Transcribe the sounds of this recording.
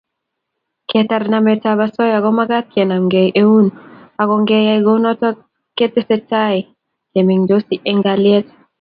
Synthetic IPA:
kʰɛtaɾnamɛtaβasɔ˦ja˨ɡɔmaɡa˦t̪̚kʰɛ˨na˨mɡe˨jʔe˦u˦na˨ɡɔŋɡe˦jaiɡo˦nɔ˦tɔ˦ | ke˦te˦sɛtai | ke˨mi˨ŋd͡ʒosi˦ʔeŋɡaljɛt

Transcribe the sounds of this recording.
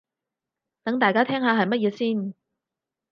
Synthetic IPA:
t̪ɐ˨˥ŋt̪aː˨jkaː˥t̪ʰɛː˥ŋɦaː˨˧ɦɐ˨˩jmɐ˥t̚jɛː˨˧siː˥˩n

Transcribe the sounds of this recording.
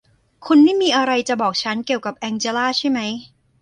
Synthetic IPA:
kʰu˧nmaː˦˥˩miː˧ʔa˧ɾa˧jt͡ɕa˨˩bɔː˨˩k̚t͡ɕʰa˦˥nki˨˩əwka˨˩p̚ʔɛː˧ŋt͡ɕeː˧laː˥˩t͡ɕʰa˥˩jma˦˥j

